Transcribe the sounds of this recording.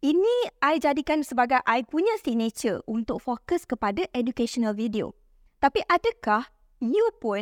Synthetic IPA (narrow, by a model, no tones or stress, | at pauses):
ʔinĩajd͡ʒadikansəbaɡajʔajpuɲãsinet͡ʃəʔunt̪ʊk̚fokəskəpadaʔɛdukeʃonãlvidio̰ | t̪apiʔadəkah | njupʊ